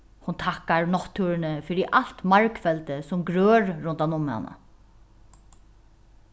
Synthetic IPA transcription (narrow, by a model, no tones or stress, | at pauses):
hʊnt̪ʰakːaɹnɔht̪ʰːuːɹɪnəfɪːɾɪʔal̥t̪maɹkfɛlt̪əsʊmɡɾøːɹːʊnt̪anʊmha̰na̰